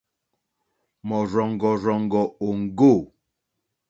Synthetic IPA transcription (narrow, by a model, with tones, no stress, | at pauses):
mɔ˨ɾɔ˨ŋ˨ɡɔ˨ɾɔ˨ŋ˨ɡɔ˨o˨ŋ̩˨ɡo˦˨